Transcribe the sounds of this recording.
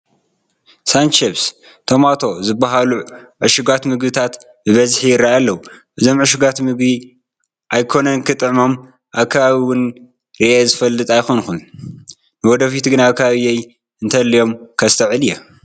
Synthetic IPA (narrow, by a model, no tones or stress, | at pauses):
sant͡ʃeβs | t̪ʰomat̪ʰo̞zɨbːaɦaluʕɨʃuɡat̪mɨɡbɨt̪ʰat̪ | bɨβɐzħijɪɾajalːɐwuʔɨzo̞mʕɨʃuɡat̪mɨɡbi | ʔajkʰo̞nɐnkʰɨt̪ʼɨʕmo̞m | ʔaβkʰɐβaβiwʊn | ɾiʔezɨfɐlːɨt̪ʼajxonxun | nɨwɔd̪ɐfit̪ɡɨnaːβkʰɐβaβiej | ɨnt̪ʰɐlːijo̞mkʰɐst̪ʰɐʕɨlija